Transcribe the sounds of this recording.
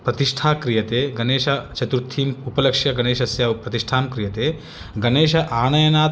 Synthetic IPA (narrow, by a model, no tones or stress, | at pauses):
pɾɐt̪iʂʈʰaːkɾijɐt̪eːɡɐneːʃɐt͡ʃɐt̪ɾut̪ʰiːmupɐlɐkʂjɐɡɐneːʃɐsjɐpɾɐt̪iʂʈʰaːmkɾijɐt̪eː | ɡɐneːʃɐʔaːnɐjɐnaː